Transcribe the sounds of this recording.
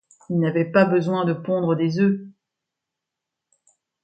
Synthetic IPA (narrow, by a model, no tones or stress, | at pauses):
ilnavɛpabəzwɛ̃d̪əpɔ̃d̪ʁəd̪ezø